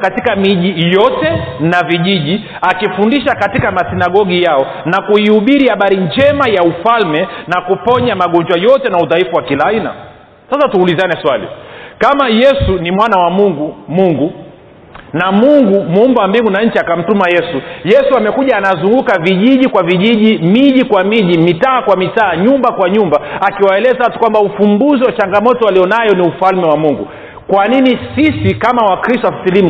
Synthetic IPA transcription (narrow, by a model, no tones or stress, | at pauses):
katikamiʄijɔtɛnaviʄiʄi | akifundiʃakatikamasinaɠɔɡijaɔ | nakuiuɓiɾihaɓaɾiɲd͡ʒɛmajaufalmɛnakupɔɲamaɠɔnd͡ʒwajɔtɛnauðaifuwakilaːina̰ | sasatuːlizanɛswalḭkamajɛsunimwanawamuŋɡumuŋɡu | namuŋɡumumbawambiŋɡunaɲ̩t͡ʃiakam̩tumajɛsujɛsuamɛkuʄaːnazuŋɡukaviʄiʄikwaviʄiʄimiʄikwamiʄimitaːkwamitaːɲumbakwaɲumbaakiwaɛlɛzaatu̥kwambaufumbuziwat͡ʃaŋɡamɔtɔalijɔnajɔniufalmɛwamuŋɡṵ | kwaninisisikamawakɾistɔafiθilim